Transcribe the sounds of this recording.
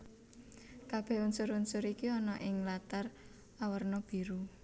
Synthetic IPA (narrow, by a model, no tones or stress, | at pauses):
kab̥ɛ̤ɦunsʊɾunsʊɾikiɔnɔʔɪŋlat̪ar | awərnɔb̥i̤ɾu